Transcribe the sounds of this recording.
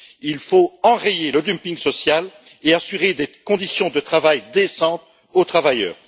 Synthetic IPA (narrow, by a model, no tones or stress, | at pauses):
ilfoɑ̃ʁejeləd̪ympĩŋɡsɔsjal | easyʁed̪ekɔ̃d̪isjɔ̃d̪ət̪χavajd̪esɑ̃t̪ | ot̪χavajœ̰ːʁ